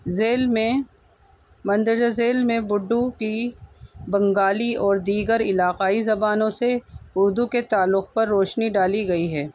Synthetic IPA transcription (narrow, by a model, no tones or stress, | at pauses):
zeːlmẽ | mɐ̃nd̪əɾd͡ʒazeːlmẽbʊɖːuki | bɐ̃ŋɡaːliɔːɾd̪iːɡəɾɪlaːqaːizɐbaːnõseʊɾd̪uket̪aːlːʊxpɐɾːoːʃniɖaːliɡɐiɦɛː